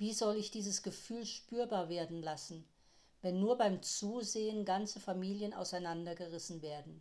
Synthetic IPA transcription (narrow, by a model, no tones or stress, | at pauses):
viːzɔlɪçd̥iːzəsɡ̥əfyːlʃpyːɐbaːɐveːɐdn̩lasn̩ | vɛnːuːɐbaɪmt͡suːzeːənɡant͡səfamiːljəna̰ʊsaɪnandɐɡəʁɪsn̩veːɐdn̩